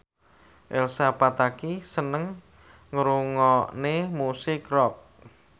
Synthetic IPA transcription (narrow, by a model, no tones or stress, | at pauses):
ʔelsapat̪akisənəŋ | ŋəɾuŋɔnemusɪkrɔp̚